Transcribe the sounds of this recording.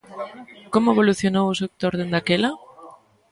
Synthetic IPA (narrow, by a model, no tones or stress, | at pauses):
komʊeβoluθjonowʊsek̚t̪oɾðend̪akelɐ